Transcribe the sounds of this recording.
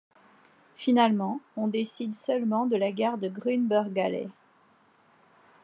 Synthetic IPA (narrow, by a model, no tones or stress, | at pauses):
finalmɑ̃ɔ̃d̪esid̪sœlmɑ̃d̪əlaɡaʁd̪əɡʁynbœʁɡalɛ̰